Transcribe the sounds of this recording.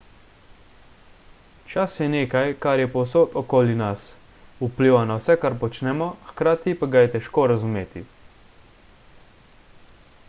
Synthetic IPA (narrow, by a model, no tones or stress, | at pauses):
t͡ʃasjɛneːkajkaɾjɛpowsot̪ɔkoːlinas | upliʋanawsɛkaɾpɔt͡ʃnɛmɔxkɾaːt̪ipaɡajɛt̪ɛʃkoːɾazumeːt̪i